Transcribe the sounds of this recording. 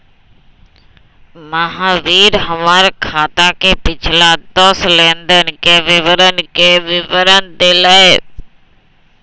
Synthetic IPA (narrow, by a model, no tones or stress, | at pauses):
məɦãʋiːɾɦəmaːɾkʰaːt̪akepɪt͡ʃʰlad̪əslẽːnd̪ənkeʋɪʋəɾənkeʋɪʋəɾənd̪eːləe